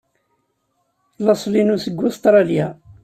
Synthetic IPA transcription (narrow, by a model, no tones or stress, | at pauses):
lɑsˤlinusəɡːʊst̪ɾˤɑlja